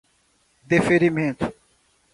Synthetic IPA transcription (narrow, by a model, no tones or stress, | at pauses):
d̪efeɾimẽnt̪ʊ̥